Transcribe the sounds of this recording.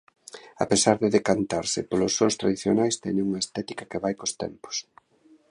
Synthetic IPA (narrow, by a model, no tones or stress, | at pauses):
a̰pesaɾðɪðekant̪aɾsɪ̰polosːoŋst̪ɾaðiθjonajst̪ɛɲɪŋuŋɐest̪ɛt̪ikakeβajkost̪ɛ̰mpo̥s